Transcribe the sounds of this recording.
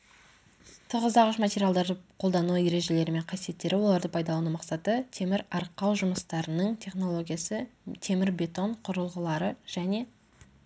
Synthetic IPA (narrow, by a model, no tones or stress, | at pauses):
t̪ʰʊʁəzd̪ɑʁʊʃmatʲe̞ɾʲijalˠd̪ɑɾd̪əqʰo̞lˠd̪ɑnuje̞ɾe̞ʒe̞le̞ɾɪme̞ɴqʰɑsije̞t̪ːe̞ɾɪwo̞lˠɑɾd̪əpʰɑjd̪ɑlˠɑnumɑqsɑt̪ət̪ʰe̞mɪɾɑɾqːɑwʒʊməst̪ɑɾənəɴt̪ʰe̞χno̞lˠo̞ɡʲijasət̪ʰe̞mɪɾbʲe̞t̪o̞ɴqʰʊɾəlˠʁəlˠɑɾəʒ̥æne̞